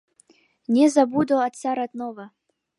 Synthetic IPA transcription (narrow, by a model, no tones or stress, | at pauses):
nʲɛzabud̪ɔat̪saɾat̪nɔvɐ